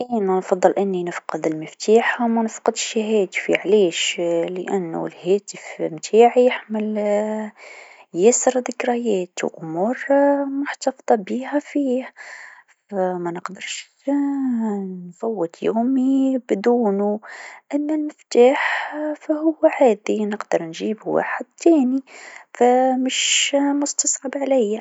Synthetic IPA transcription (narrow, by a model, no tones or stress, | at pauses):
ʔiːnænfɑd̪ˤːɨlʔɪnːinəfqɑd̪əlməft̪aːħamænəfqɑd̪ʃiɦæːt̪fiʕleːʃləʔænːṵlhæːt̪əfmt̪ʰaːʕijɪħməl | jæsəɾðəkɾɑjæːt̪wʔʊmuːɾˤmʊħt̪ɑfd̪ˤɑbihæfiːh | fæmænəqd̪əɾˤʃ | nfawːəd̪juːmibɪd̪uːnuʔɪnːʊlmɪft̪aːħfæhʊwːæʕaːd̪inəqd̪ɑɾˤnʒiːbwa̰ːħəd̪̚t̪æːnifæmɪʃmʊst̪ɑsˤʕɑbʕalæjːa